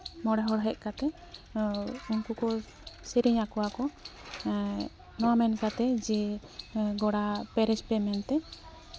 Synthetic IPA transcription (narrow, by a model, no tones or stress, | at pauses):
mɔɽɛɦɔɽɦɛʔ̚ˀkat̪ɛ | unkukɔ | siɾiɲakɔwakɔ | nɔamɛnkat̪ɛd͡ʒɛ | ɡɔɽapɛɾɛt͡ʃpɛmɛnt̪ɛ